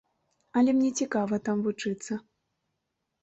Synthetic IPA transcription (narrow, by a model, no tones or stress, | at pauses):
ɐlʲɛmnʲɛt͡sʲikavɐt̪amvut͡ʂɨt̪sːɐ